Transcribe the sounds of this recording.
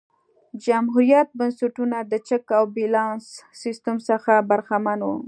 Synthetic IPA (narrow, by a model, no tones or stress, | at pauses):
d͡ʒamɦuɾijat̪̚bansaʈunad̪ət͡ʃəkawbilɑnsːist̪əmsəxabaɾxamanu